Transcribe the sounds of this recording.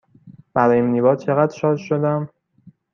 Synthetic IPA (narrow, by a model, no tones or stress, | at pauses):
b̥æɾɒːjeimniːbɒːd̪̚t͡ʃʰe̞ɣæd̪ʃɒːd̪ʃod̪æm